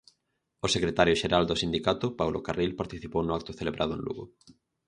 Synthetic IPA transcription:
osekɾet̪aɾjʊʃeɾald̪ʊsind̪ikat̪ʊpawlo̰karilpaɾt̪iθipownʊak̚t̪ʊθeleβɾʔaðʊḛnlṵɣʊ̰

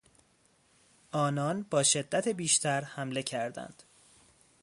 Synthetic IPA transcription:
ʔɒːnɒːnbɒːʃe̞d̪ːæt̪ʰebiːʃt̪ʰæɾhæmle̞cʰæɾd̪æ̰nd̪̥

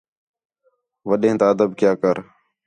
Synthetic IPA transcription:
ʋəɗẽːt̪aːəd̪əb̚kjaːkəɾ

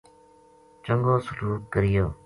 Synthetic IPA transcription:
t͡ʃəŋɡoːsʊluːkkəɾɪjoː

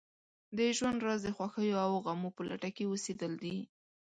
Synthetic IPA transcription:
d̪əʒwand̪ɾazd̪əxwaxəjoawɣamopəlʔa̰ʈakeosed̪əld̪i

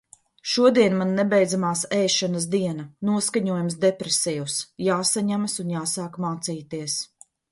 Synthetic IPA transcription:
ʃuɔd̪iɛnmanːɛbɛjd̪zamaːsɛjʃanas̬d̪iɛnanuɔskaɲuɔjams̬d̪ɛpɾɛsɛjusjaːsaɲamsunjaːsaːkmaːt̪siːt̪iɛs

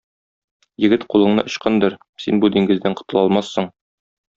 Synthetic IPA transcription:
jɘ̆ɡɘt̪qulˠɤ̆ɴnɤ̰ʔŏɕqɤnd̪ɤɾ | sinbud̪iŋɡɘ̆zd̪æɴqŏ̥t̪ɤ̆lˠɒlˠmɑsːɤɴ

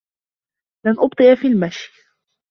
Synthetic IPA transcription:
lanʔʊbt̪ˤɨʔafiːlmaʃj

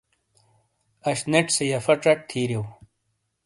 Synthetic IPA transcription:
ɐɕneʈ͡ʂsejɐfɐʈ͡ʂɐʈ̚t̪ʰiːɾew

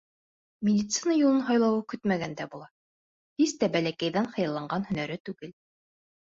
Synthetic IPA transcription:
mʲɪd̪ʲit̪sɨnajulˠɤnɦɑjlˠɑwɤkɵt̪mæɡænd̪æbulˠɑ | hist̪æbælækæjðænχɤ̆jɑ̆lˠːɑɴɢɑnhɵ̆næɾɘt̪ʉɡɘl

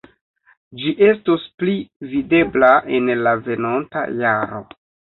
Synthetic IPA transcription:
d͡ʒiʔe̞stosplivide̞blaʔe̞nlave̞nonta̰jaɾo̞̰

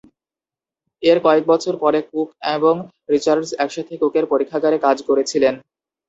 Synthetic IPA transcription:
eɾkɔek̚bɔt͡ɕʰoɾpɔɾek̚ukeboŋ | ɾit͡ɕaɾɖzɛkʃat̪ʰekukeɾpoɾikʰːaɡaɾekad͡ʑkoɾet͡ɕʰilen

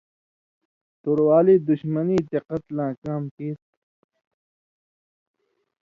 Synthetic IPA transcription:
t̪oɾwaːliːd̪uɕmɐniːd̪eqʌt̪lãːkaːmkeːt̪

